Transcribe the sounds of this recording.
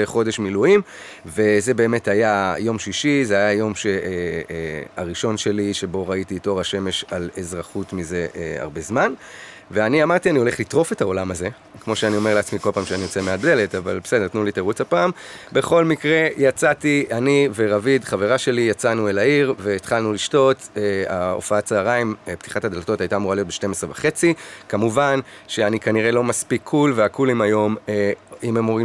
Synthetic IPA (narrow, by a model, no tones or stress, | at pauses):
eχo̞de̞ʃmiluim | ve̞ze̞be̞ːme̞tajajo̞mʃiʃizeajajo̞mʃe | a̰ʁiʃo̞nʃe̞liʃebo̞ʁaitiːto̞ʁaʃe̞me̞ʃale̞zʁaχutmize̞ʔea̰ʁbe̞zman | veaniamaʁt̪ianio̞leχlit̪ʁo̞fe̞tao̞lamaze̞ | kmo̞ʃeanio̞me̞ʁleat͡smiko̞lpaːmʃeanijo̞t͡semeabde̞le̞tava̰lbesed̪e̞ʁtnulitaʁut͡sapaːmbe̞χo̞lmikʁe̞jat͡sat̪iʔanive̞ʁavid̪χave̞ʁaʃe̞lijat͡sanuelaiʁve̞ːt̪χalnuliʃto̞t̪eao̰faasaːʁaimpt̪ʰi̥χathad̪elt̪o̞thajtaːmuʁalijotbeʃte̞mesʁe̞vaχe̞t͡sikamuvanʃe̞anikaniʁe̞lo̞maspikʰːulve̞akʰulimajo̞meimemoʁi